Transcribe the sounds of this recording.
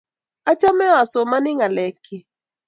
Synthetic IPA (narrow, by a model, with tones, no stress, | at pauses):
a˦t͡ʃa˦mɛ˦a˨so˨ma˦nɪ˦ŋa˨lɛ˨kʰɪ˨